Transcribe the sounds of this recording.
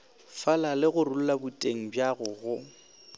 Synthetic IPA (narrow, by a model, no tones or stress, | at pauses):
falalɪɣʊrul̩labutʼeŋ̩bjaɣʊɣʊ